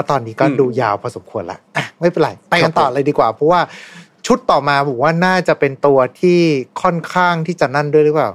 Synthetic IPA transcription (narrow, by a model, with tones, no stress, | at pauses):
ɛ˦˥˩t̪ɔː˧nːiː˧kɔː˥˩duː˧jaː˧wpʰɔː˧so˨˩˦mkʰu˧ənla̰˦˥ʔʔa˨˩ma˥˩jpe˧nla̰˨˩˦jt̪ɛː˨˩kka˧nt̪ɔː˨˩ʔɾa˧jdiː˧kwaː˨˩pʰɾɔ˦˥waː˥˩ | t͡ɕʰu˦˥t̪ːɔː˨˩maː˧bɔː˨˩˦waː˥˩naː˥˩t͡ɕa˨˩pe˧nt̪u˧ɐt̪ʰiː˥˩kʰɔ˥˩nkʰaː˥˩ŋt̪ʰiː˥˩t͡ɕa˨˩na˥˩ndu˥˩jɾɯ˦˥paː˨˩w